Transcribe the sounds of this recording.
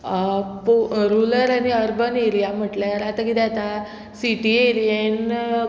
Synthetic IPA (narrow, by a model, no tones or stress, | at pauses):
poɾuləɾañiəɾbəneɾijam̤əʈljaɾat̪akit̪ɛat̪a | siʈieɾien